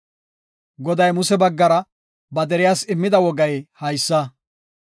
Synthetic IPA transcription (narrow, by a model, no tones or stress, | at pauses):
ɡɔd̪ɐjmʊsɛbɐɡːɐɾɐ | bɐd̪ɛɾɪjaːsɪmːɪd̪ɐwɔɡɐjhɐjsːɐ